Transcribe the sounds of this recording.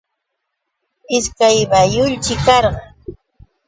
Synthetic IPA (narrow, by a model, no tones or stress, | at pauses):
ɪskajbajʊʎt͡ʃɪkɑɾɢɑ